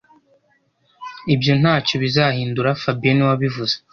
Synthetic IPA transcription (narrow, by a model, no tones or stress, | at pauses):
ibjo̞n̥haːco̞βizahiːnduɾafabieniwaβivuze